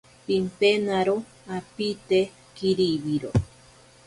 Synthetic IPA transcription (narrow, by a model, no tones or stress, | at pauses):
pimpenaɾo | apit̪e | kiɾiβiɾo